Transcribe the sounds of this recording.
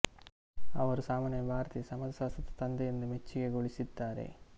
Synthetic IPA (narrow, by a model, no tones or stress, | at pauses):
ɐʋɐɾusaːmaːnjɐbʱaːɾɐt̪isɐmɐd̪ɐsaːsɐt̪ːɐ̥t̪ɐnd̪ɛjind̪umet͡ʃːiɡe̞ɡoɭisid̪ːaːɾḛ